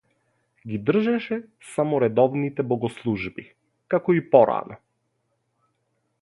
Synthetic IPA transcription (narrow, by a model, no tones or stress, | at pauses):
ɡid̪r̩ʒɛʃɛ | samɔɾɛd̪ɔvnit̪ɛbɔɡɔslˠuʒbi | kakɔipɔɾa̰nɔ